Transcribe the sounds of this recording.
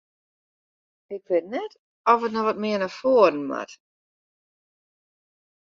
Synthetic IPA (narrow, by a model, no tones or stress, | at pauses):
ɪkʰʋɪtnɛt | ɔfətnɔxʋɔtmɪənafoədən̩ma̰t